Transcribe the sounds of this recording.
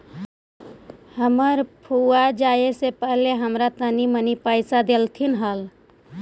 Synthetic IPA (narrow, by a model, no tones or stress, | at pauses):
həməɾpʰuad͡ʒaːesepəɦleɦəmɾat̪ənimənipaːɪsad̪elt̪ʰinɦəl